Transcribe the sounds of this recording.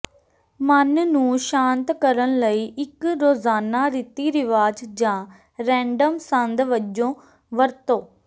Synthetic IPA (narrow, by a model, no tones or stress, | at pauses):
mənnũːʃãːnt̪kəɾənləiːʔɪkɾoːzaːnaːɾɪt̪iːɾɪʋaːd͡ʒd͡ʒãː | ɾɛ̃ːɳɖəmsənd̪ʋəd͡ʒõː | ʋəɾt̪õː